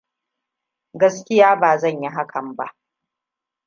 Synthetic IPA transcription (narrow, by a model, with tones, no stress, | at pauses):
ɡɐ˦skʲɪ˦jaː˦baː˨zɐ˦˨ɲji˦ɦa˦kʰɐ˨mba̰˦ʔ